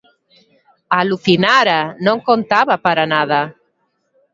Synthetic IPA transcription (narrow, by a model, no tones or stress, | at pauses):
aluθinaɾanõŋkõnt̪aβapaɾanaða